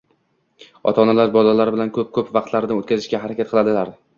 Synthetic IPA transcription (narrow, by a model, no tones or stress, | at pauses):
ɒ̰t̪ʰɒnalaɾbɒlalaɾɪbɪlankʰɵp̚kʰɵpvɑqt̪laɾɪnɪot̪kʲʰazɪʃkʲaɦaɾakʲat̪̚qʰɨlˠad̪ɪlaɾ